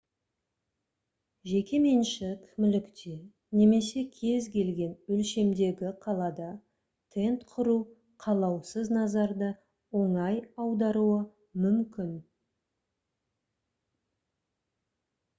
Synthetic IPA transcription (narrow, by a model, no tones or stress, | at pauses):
ʒe̞kʲe̞me̞nʃɪkʲʰmʏlɪkt̪e̞ | ne̞me̞se̞kʲʰe̞zkʲʰe̞lɡʲe̞nɵlʃe̞md̪e̞ɡʲɪqʰɑlˠɑd̪ɑ | t̪ʰe̞nt̪qʰʊɾu | qʰɑlˠɑwsəznɑzɑɾd̪ə | wo̞ɴɑjɑwd̪ɑɾuə | mʏmkʲɪn